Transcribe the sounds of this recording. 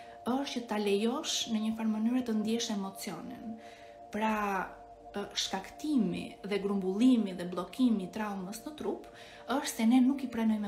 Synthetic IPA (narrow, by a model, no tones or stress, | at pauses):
əʃtcət̪alɛjɔʃnəɲəfaɾmənyɾɛt̪ənd̪jɛʃɛmɔt͡sijɔnɛ̰n | pɾa | ʃkakt̪imḭðɛɡɾumbulˠimiðɛblˠɔkimit̪ɾawməsnət̪ɾup | əʃt̪sɛnɛnukipɾɛnɔmɛ